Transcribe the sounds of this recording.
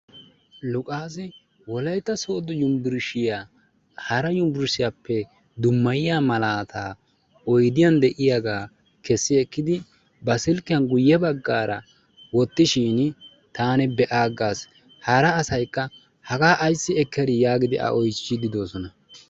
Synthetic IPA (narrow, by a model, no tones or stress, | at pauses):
lʊkʼaːsɪ | wɔlɐjt̪ːɐso̞ːd̪ɔjʊmbɪɾʃɪjaː | hɐɾɐjʊmbɪɾsɪjaːpːɛ | d̪ʊmːɐjɪjaːmɐlaːt̪ʰaː | ɔjd̪ɪjɐnd̪ɛʔɪjaɡaː | kɛsːɪɛkːɪd̪ɪ | bɐsɪlkːɪjɐnɡʊjːɛbɐɡːaːɾɐ | wɔt̪ːɪʃiːn | t̪aːnɛbɛʔaːɡːaːs | hɐɾɐːsɐjkːɐ | hɐɡaːʔːjsːɪɛkʰːɛɾɪjaːɡɪd̪ɪʔɐ̰ʔɔjt͡ʃːɪd̪ɪd̪o̞ːsɔnɐ